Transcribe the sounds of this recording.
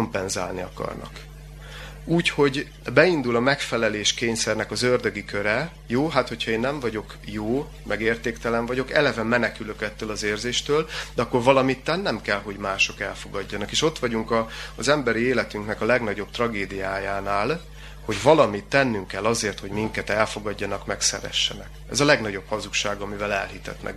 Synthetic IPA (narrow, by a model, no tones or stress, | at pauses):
ompɛnza̰ːlniɒ̰kɒ̰rnɒ̰k | uːcho̞ɟ | bɛind̪ulɒmɛkfɛlɛleːʃkeːɲsɛrnɛkɒzørd̪øɡikø̞ɾɛ | joːɦaːt̪ho̞chɒeːnːɛɱvɒɟo̞k | joː | mɛɡeːrt̪eːkt̪ɛlɛɱvɒɟo̞kɛlɛvɛmɛnɛkyløkɛt̪ːøːlɒzeːrzeːʃt̪øːld̪ɛɒkːo̞rvɒlɒmit̪ːɛnːɛmkɛlɦo̞ɟmaːʃo̞kɛlfo̞ɡɒɟːɒnɒkeːʃo̞t̪ʋɒɟuŋkɒzɛmbɛɾieːlɛt̪yŋknɛkɒlɛɡnɒɟo̞b̚t̪rɒɡeːd̪ijaːjaːnaːl | ho̞ɟvɒlɒmit̪ːɛnːyŋkɛlːɒzeːrt̪ho̞ɟmiŋkɛt̪ɛlfo̞ɡɒɟːɒnɒkmɛksɛ̰ɾɛ̰ʃːɛ̰nɛkɛzɒlɛɡnɒɟo̞bhɒzukʃaːɡɒmivɛlɛ̰lhit̪ɛ̰t̪nɛ̰k